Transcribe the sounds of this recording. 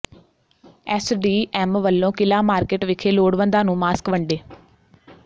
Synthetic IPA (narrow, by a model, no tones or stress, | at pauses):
ɛːsɖiːʔɛːmʋəlːõːkɪlaːmaːɾkeːʈʋɪkʰeːloːɽʋə̃nd̪aːnũːmaːskʋəɳɖeː